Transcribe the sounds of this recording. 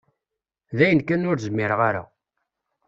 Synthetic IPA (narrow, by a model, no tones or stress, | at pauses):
ðæjənkænʊɾzəmːɪɾʁaɾa̰